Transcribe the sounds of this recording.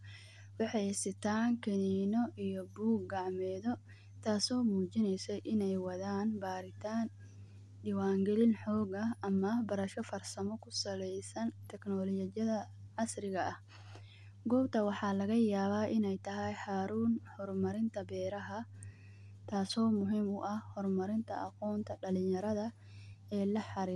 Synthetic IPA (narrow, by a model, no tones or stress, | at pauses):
wɑħɑjsɪt̪ʰaːŋkʰɛniːnɔʔijɔbuːɡɡɑʕmɛːðɔ | t̪ʰaːsɔːmuːt͡ʃɪnɛjsɛjʔɪnɛjwɐðaːnbaːɾɪt̪ʰaːn | ɖiːwaːŋɡɛlɪnħɔːɡɐɐmɐbɐɾɐʃɔfɐrsɐmɔkʰʊsɐlɛjsɐnt̪ʰɛknɔːlɔt͡ʃɐɐðɐʕɑsrɪɣɐʔɐh | ɡɔːbt̪ʰɐwɑħɑːlɐɣɐjaːβaːʔɪnɛjt̪ʰɐɦɛjħaːɾuːnhɔrmɐɾɪnt̪ʰɐbɛːɾɐɦɐ | t̪ʰaːsɔːmʊɦiːmʊʔɐhhɔrmɐɾɪnt̪ʰɐʔɐqɔːnt̪ʰɐɖɐlɪjɐɾɐðɐ | ɛːlɐħɑɾiː